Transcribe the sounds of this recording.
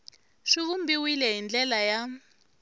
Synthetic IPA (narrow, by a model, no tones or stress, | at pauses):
ʂiβumbiwilɛɦind͡ɮɛlaja